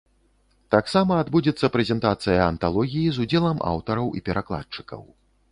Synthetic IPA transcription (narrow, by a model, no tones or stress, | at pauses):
t̪aksamɐːd̪bud͡zʲɛt̪sːɐpɾɛzʲɛnt̪at̪sɨjɐɐnt̪alˠɔɣʲijizud͡zʲɛlˠɐmʔa̰wt̪ɐɾɐwʔḭpʲɛɾʔaklˠa̰tt͡ʂɨ̥kɐ̰w